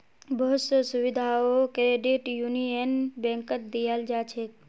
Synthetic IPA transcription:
bəɦʊt̪səsuʋid̪ʱaokeɖiʈjunijənbẽŋkət̪̚d̪ijəld͡ʒat͡ʃʰe

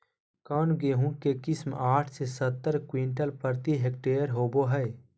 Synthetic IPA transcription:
kaːnɡeɦũkekɪsmaːʈʰsesət̪ːəɾkwĩɳʈəlpəɾt̪iɦek̚ʈeːəɾɦoːboɦəe

